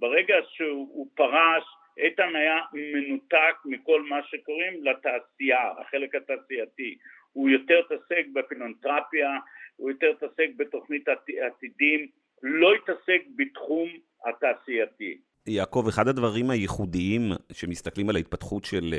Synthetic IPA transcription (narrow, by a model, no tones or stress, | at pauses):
beʁeɡaʃeupaʁaʃ | ʔetanajamenutak̚miko̞lmaʃe̞ko̞ʁimlataːsiaa̰χe̞le̞khataːsiati | hujo̞teʁt̪ase̞k̚befilont̪ʁapiaujoteʁt̪ase̞k̚beto̞χnit̪aiat̪idim | lo̞itasek̚betχum | ha̰taːsiati | jako̞veχad̪advaʁimhajeχudiimʃemist̪aklimalait̚pat̪χutʃel